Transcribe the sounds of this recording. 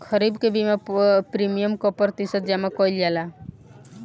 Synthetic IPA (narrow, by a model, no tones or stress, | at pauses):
kʰʌɾibkebimapɾimijəmkɔpɾt̪isət̪̚d͡ʒamakɔjld͡ʒala